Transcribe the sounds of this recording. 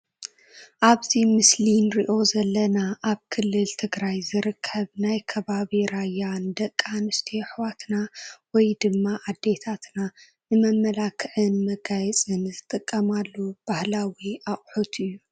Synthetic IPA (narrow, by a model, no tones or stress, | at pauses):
ʔaβzimɨslinɾiʔo̞zɐlːɐnaʔaβkʰɨlːɨlt̪ʰɨɡɾajzɨɾɨkʰːɐβnajkʰɐβaβiɾajːand̪ɐkʼːanɨst̪ʰiħwat̪nawɔjd̪ɨmːaʔad̪ːe̞t̪ʰat̪na | nɨmɐmːɐlakʰɨʕɨnmɐɡajɛt͡sʼɨnzɨt̪ʼɨkʼːɐmalːub̥ahlawiaχʼħut̪ʰɨjːu